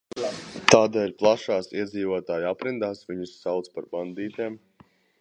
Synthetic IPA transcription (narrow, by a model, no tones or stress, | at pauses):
t̪aːd̪ɛːʎʲplˠaʃaːsiɛd̪ziːvoɔt̪aːjapɾind̪aːsviɲusːawt̪spaɾband̪iːt̪eːm